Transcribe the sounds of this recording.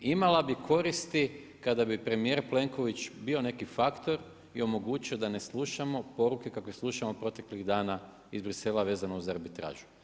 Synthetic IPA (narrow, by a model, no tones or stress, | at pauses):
imalabikʰo̞ɾist̪i | kad̪abipɾe̞mije̞ɾple̞ŋko̞ʋit͡ɕbio̞ne̞kifakt̪o̞ɾ | io̞mo̞ɡuːt͡ʃio̞d̪ane̞sluʃamo̞po̞ɾuke̞kakʋeslˠuʃamopɾo̞t̪e̞kliɣd̪aːna | izbɾise̞lˠaʋe̞ːzanouzaɾbit̪ɾa̰ːʒu̥